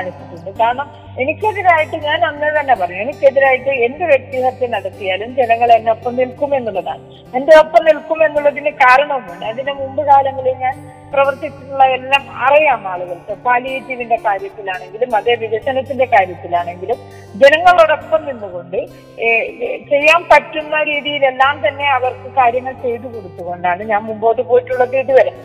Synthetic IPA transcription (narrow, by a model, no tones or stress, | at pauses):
aːɳit͡ɕːiʈːuɳɖɨkaːɾɐɳɐm | e̞nikʲːeðiɾaːjiʈːɨɲaːnɐnːeðɐnːɐpɐrɐɲːue̞nikʲːeðiɾaːjiʈːɨe̞ndeʋjek̚t̪iɦɐt̪ːenɐɽɐt̪ːijaːlumd͡ʑenɐŋːɐɭenːeopːɐmnilkume̞nːuɭːɐða̰ːɳɨ | endeo̞pːɐmnilkːume̞nːuɭːɐðinɨkaːɾɐɳɐʋmuɳɖɨɐðinɨmumbɨɣaːlɐŋːɐɭeɲaːn | prɐʋɐrt̪it͡ɕːuʈːuɭːɐelːaːmɐ̰rijaːmaːɭuɣɐɭkekaːlietːiʋinde̞kaːɾjɐt̪ːilaːɳe̞ŋɡilumɐðe̞ːʋiʋɐɕɐnɐt̪ːinde̞kaːɾjɐt̪ːilaːɳe̞ŋɡilum | d͡ʑe̞nɐŋːɐɭoːɽo̞pːɐmninːuɣo̞ɳɖɨ | t͡ɕe̞jːaːmpɐtːunːɐɾiːðijile̞lːaːmt̪ɐnːe̞ɐʋɐrkɨkaːɾjɐŋːɐɭt͡ɕe̞jiʈːukoɽut̪ːuɣo̞ɳɖaːɳɨɲaːnmumbo̞ːʈːɨpoːjiʈːuɭːɐtiːʈːiʋɐlɐm